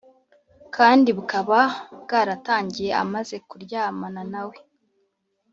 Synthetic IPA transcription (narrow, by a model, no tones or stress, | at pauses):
kaːndiβukaβab̚ɡaːɾataːɲɟije̞a̰maze̞kuɾɟaːmananawe̞